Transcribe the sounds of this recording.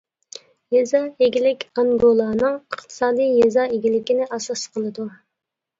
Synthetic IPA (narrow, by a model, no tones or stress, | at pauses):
jezɑeɡʲilɪkʲɑŋɡolˠɑːnɨŋəχt̪ʰɨ̥sɑːd̪ijjezɑeɡʲilɪkʲinɪʔɑsɑsqʰəlˠɨd̪u